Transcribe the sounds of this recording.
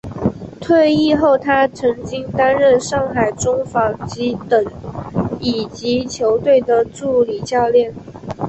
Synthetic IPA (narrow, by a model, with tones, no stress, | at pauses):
t̪ʰwe˥˧ɪi˥˧xo˥˩ʊt̪ʰa˥t͡sʰɤ˧˥ŋt͡ɕi˥ŋt̪a˥nɻə˥˧nʂɑ˥˩ŋxa˨˩ɪʈ͡ʂʊ˥ŋfɑ˨˥ŋt͡ɕi˧˥t̪ə˨˩ŋ | i˨˩t͡ɕi˧˥t͡ɕʰjo˧˥ʊt̪we˥˩ɪd̪ə˨ʈ͡ʂu˥˩li˨˩t͡ɕjɑ˥˧ʊljɛ˥˩n